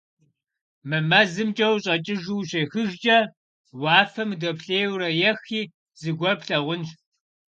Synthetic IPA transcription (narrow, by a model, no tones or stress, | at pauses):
mɨmɐzɨmt͡ʃʼɐwɕʼɐt͡ʃʼɪʒuwɕeːxɨʒt͡ʃʼɐ | wɑːfɐmdopɬeːwɾɐjɛxiː | z̥ɨɡʷɔpɬɐʁʷʊnʃ